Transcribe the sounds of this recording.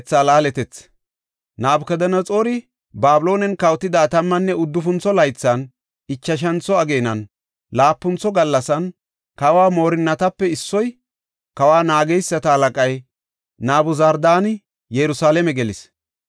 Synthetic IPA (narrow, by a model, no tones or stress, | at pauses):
t͡sːaːlaːlɛt̪ɛt͡s | naːbkɛd̪ɐnɐt͡sʼo̞ːɾɪ | baːbʊlo̞ːnɛnkɐwt̪ːɪd̪aːt̪ɐmːɐnːɛʊd̪ːʊfʊnt͡sːɔlɐjt͡sːan | ɪt͡ʃːɐʃ̬ɐnt͡sɔɐɡe̞ːnɐn | laːpːʊnt͡sɔɡɐlːɐsɐn | kɐwaːmo̞ːɾɪnːɐt̪ɐpːɛɪsːɔj | kɐwaːnaːɡɛjsːɐt̪ɐhɐlɐkʼɐj | naːbʊzɐɾd̪aːnɪ | jɛɾʊsaːlɛmɛɡɛlɪs